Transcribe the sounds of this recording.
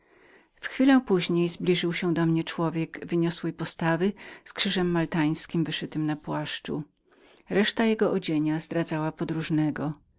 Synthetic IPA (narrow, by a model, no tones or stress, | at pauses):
fxfʲilɛ̃w̃puʑɲejzblʲiʐɘwɕɛd̪ɔmɲɛt͡ʂwɔvʲjɛɡvɘɲɔswɛjpɔst̪avɘskʂɘʐɛmːalt̪aj̃skʲimvɘʂɘt̪ɘmnapwaʂt͡ʂṵ | ɾɛʂt̪ajɛɡɔʔɔd͡ʑeɲazd̪ɾad̪zawapɔd̪ɾuʐnɛɡɔ